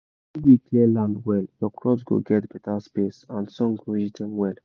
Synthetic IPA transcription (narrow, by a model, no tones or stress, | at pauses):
iwiklɛlãndwɛljɔkɹɔsɡo̰ɡɛtbɛtaspesãnsɔ̃ŋɡɹid͡ʒitʰɛ̃nwɛl